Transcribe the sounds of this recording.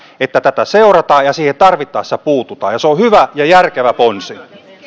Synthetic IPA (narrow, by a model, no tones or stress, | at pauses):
et̪ːæt̪æt̪æseurɑt̪ɑːjɑsiːhent̪ɑrʋit̪ːˑɑːsi̥t̪æpuːt̪ut̪ɑ̰ːjɑseohyʋæjɑjærkeʋæponsi